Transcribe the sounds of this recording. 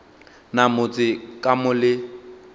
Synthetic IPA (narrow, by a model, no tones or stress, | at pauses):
namʊt͡sʼɪkʼamʊlɪ